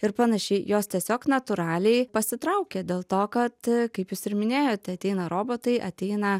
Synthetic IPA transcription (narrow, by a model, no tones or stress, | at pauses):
ɪɾpɐnɐʃʲɛɪjoːst̪ʲiɛsʲoːknɐt̪ʊɾɑːlʲɛɪpɐsʲɪt̪ɾɐʊkʲɛd̪ʲeːlˠt̪oːkɐt̪kɐɪpjʊsɪɾmʲɪnʲeːjoːt̪ʲɛɐt̪ʲɛɪnɐɾoːboːt̪ɐɪʔɐ̰t̪ʲɛɪnɐ